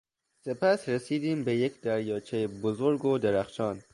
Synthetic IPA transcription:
sepʰæsɾesiːd̪iːmbejekd̪æɾjɒːt͡ʃʰejebozoɾɡod̪eɾæxʃɒːn

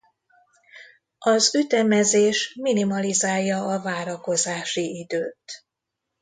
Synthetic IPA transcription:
ɒzyt̪ɛmɛzeːʃminimɒlizaːjːɒɒvaːɾɒko̞zaːʃiid̪øːt̪

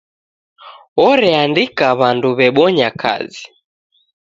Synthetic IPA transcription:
ɔɾɛandikaβanduβɛɓɔɲakʰa̰zi

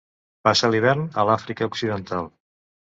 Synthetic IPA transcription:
pasəliβ̞ɛɾnəlafɾikəuksiðənt̪alˠ

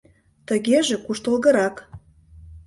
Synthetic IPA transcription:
t̪ə̆ɣeʒĕkuʃt̪ə̆lˠɣə̆ɾɑk

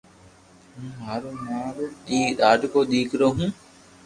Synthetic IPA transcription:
ɦũːɦaːɾmãːɾɗ̪iːɗaːɖʱkoːɗ̪iːkʰɾoːɦũː

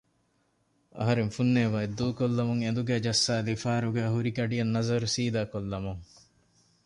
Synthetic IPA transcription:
ɐ̰ɦɐɾeŋfunːeːʋaed̪ːuːkolːɐmuŋend̪uɡæːd͡ʒɐsːaːlifaːɾuɡæːɦuɾikɐɖijɐnːɐzɐɾusiːd̪aːkolːɐmuŋ

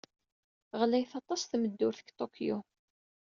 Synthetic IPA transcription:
ʁlæjθɑt̪ˤːɑsθməd̪ːʊɾθə̥ɡt̪ˤokʰjo

